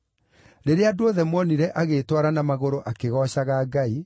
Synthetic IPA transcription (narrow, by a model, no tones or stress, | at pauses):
ɾeɾeadooðɛmwɔniɾɛʔaɣetwaɾanamaɣoɾoʔakeɣɔɕaɣaːɡai